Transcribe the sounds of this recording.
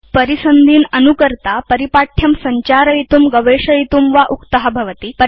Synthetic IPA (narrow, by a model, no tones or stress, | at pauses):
pəɾisənd̪ʱiːnənukəɾt̪apəɾipaʈʰjɐmsəɲt͡ɕaɾəjit̪uːmɡəʋeʂəjit̪uːmʋaʔukt̪əɦabʱɐʋət̪iːpə